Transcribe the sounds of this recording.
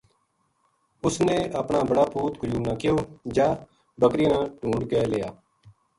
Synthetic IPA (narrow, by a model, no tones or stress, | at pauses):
ʊsnẽːəpɳaːbəɽaːpʰuːt̪ɡɾjuːnãːkɪjoːd͡ʒaː | bəkɾinãːʈũːɳɖkɛːlɪjaː